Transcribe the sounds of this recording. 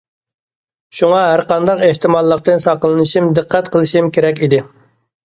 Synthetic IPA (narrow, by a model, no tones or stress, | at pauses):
ʃuŋɑɦæɾqɑnd̪ɑqeht̪ɪmɑlˠːəq̚t̪ɨnsɑqəlˠɨnɨʃimd̪ɨqʰːæt̪qʰəlˠɨʃimkʲʰeɾɛkʲid̪ɪ